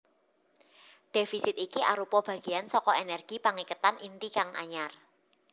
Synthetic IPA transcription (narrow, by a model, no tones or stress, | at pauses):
ɖ̥efisɪt̪ikiʔa̰ɾupɔb̥ä̤ɡ̥i̤ansɔkɔenɛrɡ̥i̤paŋikət̪anʔint̪ikaŋʔa̰ɲar